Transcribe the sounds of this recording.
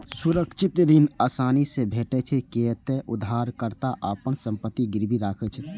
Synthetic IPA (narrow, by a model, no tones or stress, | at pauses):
suɾəkt͡ʃʰit̪ɾinaːsaːnisebʱeʈɛt͡ʃʰɛket̪eʔud̪ʱːaɾkəɾt̪aʔapənsə̃mpət̪ːiɡiɾbʱiɾaːkʰɛt͡ʃʰɛ